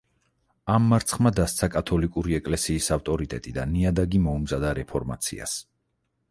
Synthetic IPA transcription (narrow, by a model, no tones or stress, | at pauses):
amːaɾt̪sʰχmad̪ast̪sʰakʼat̪ʰɔlikʼuɾiɛkʼlɛsiːsaft̪ʼɔɾit̪ʼɛt̪ʼid̪aniad̪aɡimɔumzad̪aɾɛpʰɔɾma̰t̪sʰḭa̰s